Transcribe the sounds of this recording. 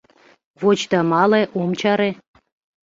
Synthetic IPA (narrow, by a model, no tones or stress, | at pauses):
βot͡ɕt̪ɑmɑleʔomt͡ɕɑɾe